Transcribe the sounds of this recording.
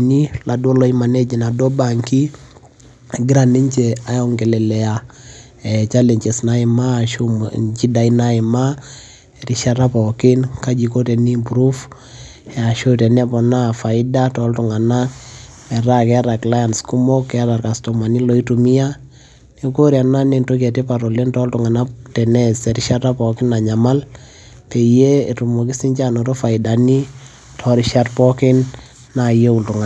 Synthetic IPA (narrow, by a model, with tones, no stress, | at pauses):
ni˦la˨du˦ɔ˦lɔ˦ima˨nɛ˦d͡ʒi˨na˨dɔ˦ba˨ŋki˦ | ɡi˦ɾa˨ni˦ɲt͡ʃɛ˨a˨jɔ˦ŋkɛ˨lɛ˨lɛ˨ja˨ | ɛt͡ʃa˦lɛ˨ɲt͡ʃɛ˨snaima˦ʃut͡ʃi˦da˨i˦na˦i˨ma˦ | ɛɾi˨ʃa˦ɾa˦pɔ˨ke˦nka˦d͡ʒi˨ko˦tɛ˨ni˦puɾu˦f | a˨ʃo˦tɛ˨nɛ˦pɔ˨na˦fa˨i˦da˦tɔ˦ltu˨ŋa˨na˦ | mɛ˨ɾa˦kɛ˦ɾa˨kla˦ja˨nsku˦mo˦kːɛ˦ɾa˨rka˨sto˨ma˨ni˦lɔ˦i˦tu˨mi˦a˦ | ne˦ko˦ɾja˨na˦ne˨nto˦kɛ˨te˦pa˨ɾɔ˨le˦ntɔ˦ltu˨ŋa˨na˦tɛ˨nɛ˦sɛ˨ɾiʃa˦ta˦pɔ˨kɪ˦na˨ɲa˨ma˦l | pe˨je˦e˨tu˨mo˨ki˦si˦ɲt͡ʃa˦no˨to˦fa˨ɪ˨da˨ni˦ | tʰɔ˦ɾiʃa˦tpɔ˦kɪ˦nː | aje˦u˨ltu˨ŋa˨